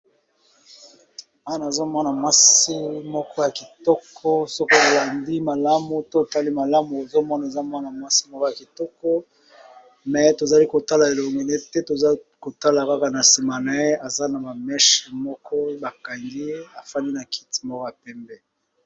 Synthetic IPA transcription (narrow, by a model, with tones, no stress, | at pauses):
a˦na˨zo˦mɔ˦na˨mwa˦si˦mɔ˦kɔ˦ja˨ki˨tɔ˦kʰɔ˦so˦ko˦o˨la˨ndi˦ma˨la˦mu˨to˦˨ta˦li˦ma˨la˦mu˨o˨zo˦mɔ˦na˨e˨za˦mwa˦na˨mwa˦si˦mɔ˦kɔ˦ja˨ki˨tɔ˦kɔ˦ | mɛ˨to˨za˨li˦ko˨ta˦la˨e˨lo˨ŋɡe˨ne˦tɛ˦to˨za˦ | ko˨ta˦la˨ka˦ka˨na˨si˨ma˨na˨e˦a˨za˦na˨ba˨mɛ˦ʃmɔ˦kʰɔ˦ba˨ka˨ŋɡi˦a˨fa˦ni˦na˨kʰi̥˦ti̥˨˦mɔ˦kɔ˦ja˨pɛ˦mbɛ˦